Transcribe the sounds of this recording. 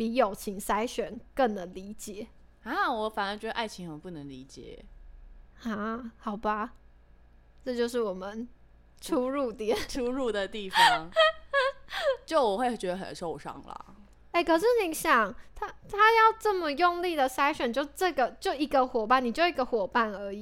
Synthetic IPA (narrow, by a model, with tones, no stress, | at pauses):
pi˧˥jo˨˩ʊt͡ɕʰi˧˥ŋsa˥ɪɕɥɛ˨˩nkə˥˩ŋnə˧˦nli˧˥t͡ɕjɛ˨˩˦ | a˥˩wɔ˧˦fa˨˩nə˧˥˩t͡ɕɥɛ˧˥d̪ə˧ʔa˥˩ɪt͡ɕʰi˧˥ŋxə˧˦ŋpu˥˩nə˧˦ŋli˧˥t͡ɕjɛ̰˨˩˦ | a˥˩xɑ˨˩ʊba˦ | ʈ͡ʂɤ˥˧t͡ɕjo˥˧ʊʂ̬ɻ̩˥˩wɔ˨˩mə˦n | ʈ͡ʂʰu˥ɻu˥˩t̪ɛ˥ʈ͡ʂʰu˥ɻu˥˧d̪ə˨t̪i˥˩fɑ˦ŋ | t͡ɕjo˥˩ʊwɔ˨˩xwe˥˩ɪt͡ɕɥɛ˧˥d̪ə˧xə̰˨˩nʂo˥˧ʊʂɑ̰˥˩ŋlɐ̰˩ | e˥˩ɪkʰɤ˨˩ʂɻ̩˥˩ni˨˥˦ɕjɑ˨˩˦ŋt̪ʰa˥t̪ʰa˥jɑ˥˧ʊʈ͡ʂə˥˩mə˨jʊ˥˧ŋli˥˩d̪ə˩sa˥ɪɕɥɛ˨˩nt͡ɕjo˥˧ʊ˧ʈ͡ʂɤ˥˩ɡə˩t͡ɕjo˥˩ʊi˧˥ɡə˧xwɔ˨˩pa˥˩ni˨˩t͡ɕjo˥˩ʊi˧˥ɡə˧xwɔ˨˩pa˥˩nə˞˧˥i˨